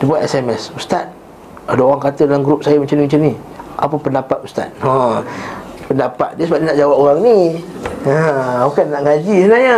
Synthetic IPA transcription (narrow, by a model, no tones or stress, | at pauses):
dipuaʔɛsɛmɛsust̪at̪̚ | adaoɣaŋkat̪ədalamɡɾup̚sajamət͡ʃaniməɲt͡ʃamnĩ | ʔa̰pəpəndapat̪ust̪a̰t̪̚hã | pəndapa̰t̪̚diəsəbaʔ̚dinaʔd͡ʒawap̚oɣaŋni | əbukanːaʔŋad͡ʒisənahɲə